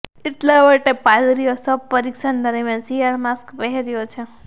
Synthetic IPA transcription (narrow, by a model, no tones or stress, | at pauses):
ɪt̪leʋəʈepad̪ɾijosəb̚pəɾikʃand̪əɾmjansiaɾmaskpɛɦeɾijot͡ʃʰe